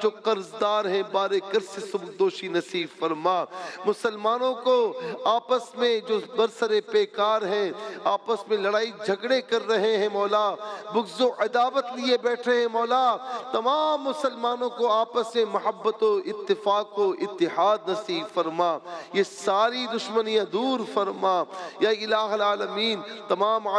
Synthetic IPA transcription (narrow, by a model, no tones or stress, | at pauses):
d͡ʒoːqɐɾzd̪aːɾɦɛ̃baːɾekɐɾsesʊbd̪oːʃinɐsiːbfɐɾmaːmʊsəlmaːnõkoaːpəsmẽd͡ʒoːbɐɾsəɾepeːkaːɾɦɛ̃aːpəsmẽlɐɽaːid͡ʒʱɐɡɽekɐɾːɐɦeɦɛ̃mɔːlaːbʊɡzõʔɐd̪aːʋət̪liebɛːʈʰeɦɛ̃mɔːlaːt̪ɐmaːmːʊsəlmaːnõkoaːpəsmẽmɐɦəbːət̪oɪt̪ːɪfaːkoɪt̪ːɪɦaːd̪nɐsiːbfɐɾmaːjesaːɾid̪ʊʃmənijãd̪uːɾfɐɾmaːjaɪlaːɦɐlaːlɐmiːnt̪ɐmaːmː